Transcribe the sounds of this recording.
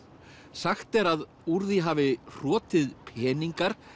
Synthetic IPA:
saxt̪ɛɾað | uɾðiɦaːvɪr̥ɔːt̪ɪðpʰɛːniŋkaɾ̥

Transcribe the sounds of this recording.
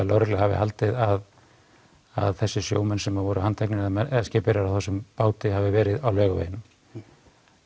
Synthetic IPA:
lawɾɛklɛhavɪ̰halt̪ɪðað | aðθɛsːɪsjo̰ːwmɛnsɛmaðvɔːɾʏhant̪ʰɛknɪðmɛɛscɪːpɪɾaɾawθɛsʏmpaːwt̪ɪhavɪvɛːɾɪðawlœːɣavḛjɪnʏm

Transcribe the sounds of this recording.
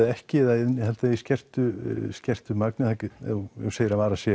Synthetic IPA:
ɪɛhcɪɛðanhɛlt̪aiscɛr̥t̪ʏscɛr̥t̪ʏmaknɪθajkjɛwseːjɪɾavaːɾasjɛ

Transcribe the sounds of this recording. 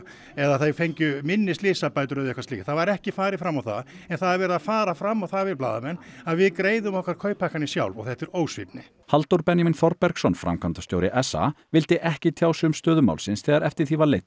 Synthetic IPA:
ɛðaθafejɲcʏmɪnːɪslɪːsapaːjt̪ʏɾœðɛhkvasiːkθavaɾɛhcɪfaːɾɪfɾamːawθa̰ðɛnθaðaɾvɛːɾɪðafaːɾafɾamːawθavɪðplaːðamɛnːaðvɪðkɾeːjðʏmɔhkvaɾkʰœːɥpahkanisja̰wlvɔ̰ɣθɛht̪ɪɾoːwsvḭpnɪ | halt̪owɾpɛnjaminfɔɾpɛɾksɔnfɾʔa̰mkʰant̪ast̪joːwɾɪʔɛsa̰vɪlt̪ɪʔɛhcɪt̪ʰjaːwsʏmst̪œːðʏma̰wlsɪnsθɛːðaɾɛft̪ɪɾ̥θivaɾlejt̪

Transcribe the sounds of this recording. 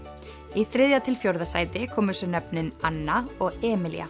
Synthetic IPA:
iθɾɪðjat̪ʰɪlfjowɾðasaːjt̪ɪkʰɔːmʏsœnɛpnɪnanːaɔɣɛːmɪlj̰a̰

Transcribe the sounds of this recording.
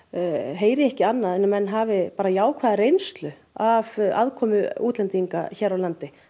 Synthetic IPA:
ɦeːjɾɪɛhcɪanːaðɛnːamɛnːɦaːvɪpaːɾajaːwkʰvaːðaɾejnst̪lʏ | ava̰ðkʰɔːmʏuːt̪lɛnt̪iŋka̰çɛːɾawlant̪ɪ

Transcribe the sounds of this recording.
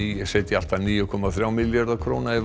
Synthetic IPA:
iɛseːt̪ɪal̥t̪aniːjʏkʰɔmaθɾjaːwmɪljaɾðakʰvɾoːwnaɛ

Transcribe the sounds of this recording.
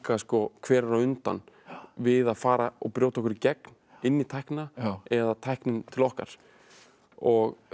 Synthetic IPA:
kaskɔkʰvɛːɾaɾaʏnt̪a̰n | vɪðaðfaːɾaɔɣpɾjoːwt̪aɔkʏɾcɛkn̥ | ɪnːit̪ʰajhknaɛðat̪ʰajhknɪnt̪ʰɪlɔhka̰ɾ̥ | ɔɣ

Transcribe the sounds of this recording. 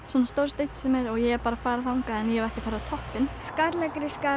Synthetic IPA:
sɛmst̪owɾst̪ejt̪sɛmjɛɾɔɣjɛɣɛɾpaːɾafaːɾaθawŋkaɛnjɛɛɾɛhcɪfajɾat̪ʰɔhpːɪnskaɾlɛkɾɪska

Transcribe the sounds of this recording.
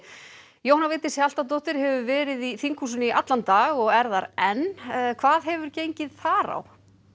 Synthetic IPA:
jowhanavɪːt̪ɪsal̥t̪at̪oht̪ɪɾ̥hɛvʏvɛːɾɪðiθiŋkʰusʏniʔa̰t̪lant̪aɣɔɣɛɾðaɾɛnːkʰvaːðɦɛvʏɾcejɲcɪðθaɾa̰w

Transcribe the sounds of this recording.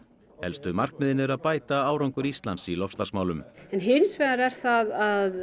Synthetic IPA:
hɛ̰lst̪ʏmar̥kmɪðɪnɪɾaðpaːjt̪aaːwɾawŋkʏɾist̪lant̪silɔfst̪asmaːwlʏmɛnɦɪnsvɛðaɾɛɾ̥θaðað

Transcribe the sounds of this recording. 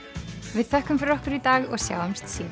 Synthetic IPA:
vɪðθɛhkʏmfɪɾɪɾɔhkʏɾit̪aːɣɔɣsja̰ːwamst̪siːð

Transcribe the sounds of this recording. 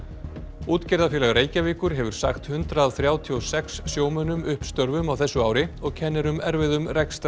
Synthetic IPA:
uːt̪cɛɾðafjɛlaɣɾeːjcaviːkʏɾ̥ɦɛvʏɾ̥sa̰xt̪hʏnt̪ɾaðθɾjaːwt̪ʰiɔsɛksːjoːwmœnʏmʏhpst̪œɾvʏmawθɛsːʏaːwɾɪɔɣcʰɛnːɛɾʏmɛɾvɪðʏmrɛkst̪

